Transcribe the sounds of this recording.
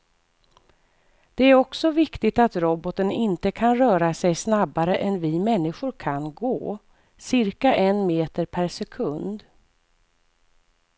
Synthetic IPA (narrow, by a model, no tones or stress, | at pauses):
d̪̥ɛæɾɔksɔvɪkt̪ɪt̪at̪ɾɔbɔt̪ənɪnt̪əkʰanɾœːɾasɛjsnabaɾəʔɛnvɪmɛnːɪɧʊɾkʰanɡoː | sɪɾkaʔɛnmeːt̪əɾpʰæɾʂɛkʰɵnd̪